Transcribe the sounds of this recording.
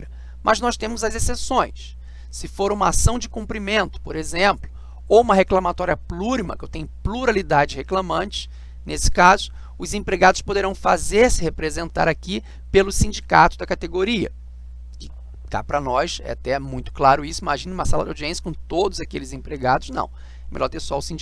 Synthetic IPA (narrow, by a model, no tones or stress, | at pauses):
mʔɐznɔst̪ẽmʊzɐzesesõj̃s | sɪfoɾũmɐasɐ̃w̃d͡ʒɪkũmpɾimẽnt̪ʊ̥poɾezẽmplʊ | owũmɐɦeklɐmat̪ɔɾiɐpluɾimɐ̰kewt̪ẽɲʊpluɾalid̪ad͡ʒɪd͡ʒɪheklɐmɐ̃nt͡ʃɪ̥s | nesɪ̥kazʊ | ʊzẽpɾeɡad̪ʊspod̪eɾɐ̃w̃fazeɾsɪhepɾezẽnt̪a̰ɾaki | pelʊsĩd͡ʒika̰t̪ʊd̪ɐkat̪eɡoɾiɐ̰ | kɪ̥ | t̪a̰pɾɐnɔʃɛ̰at̪ɛmũj̃t̪ʊ̥klaɾʊisʊimaʒĩnɐiũmɐsalɐ̰d̪a̰wd͡ʒiẽsjɐkõw̃t̪od̪ʊzakelɪzẽpɾeɡad̪ʊʃnɐ̰̃w̃ | ɛmḛʎɔɾt̪esaʊsĩnd͡ʒ